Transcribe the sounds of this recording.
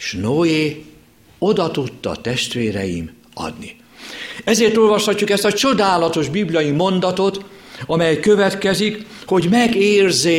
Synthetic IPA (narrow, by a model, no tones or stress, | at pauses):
ʃnoːeː | o̞d̪ɒt̪ut̪ːɒ̰t̪ɛʃt̪ʋeːɾɛ̰jḭm | ɒ̰d̪ni | ɛzeːrt̪olvɒʃhɒcːukɛst̪ɒt͡ʃo̞d̪aːlɒt̪o̞ʒbiblijɒjimo̞nd̪ɒt̪o̞t̪ | ɒmɛjkøvɛt̪kɛzik | ho̞ɟmɛɡeːrze